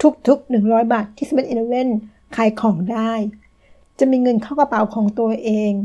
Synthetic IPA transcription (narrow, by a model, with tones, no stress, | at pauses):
t̪ʰu˦˥k̚t̪ʰu˦˥k̚nɯ˨˩ŋɾɔː˦˥jbaː˨˩t̪ʰːiː˦˥˩sa˨˩pe˧nʔnʔo˧we˥˩n | kʰaː˧˩jkʰɔː˩˦ŋdaː˥˩j | t͡ɕa˨˩ʔmiː˧ŋɤ˧nkʰaː˥˩ka˧pa˨˩˦wkʰɔː˩˦ŋt̪u˧ɐʔeː˧ŋ